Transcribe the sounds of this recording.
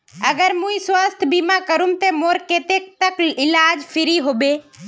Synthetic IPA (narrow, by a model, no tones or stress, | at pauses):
əɡəɾmũiswəst̪ʰbimakəɾũmt̪emoːɾket̪ek̚t̪əkɪlaːd͡ʒpʰɪɾiɦoːbeː